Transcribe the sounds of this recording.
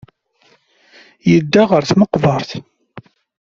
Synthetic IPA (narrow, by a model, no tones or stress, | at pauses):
jəd̪ːaʁəɾθməqvɑɾˤθ